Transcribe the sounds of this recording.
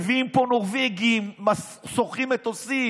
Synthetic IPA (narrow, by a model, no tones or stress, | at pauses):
viimponoʁveɡimːa | soχimet̪osi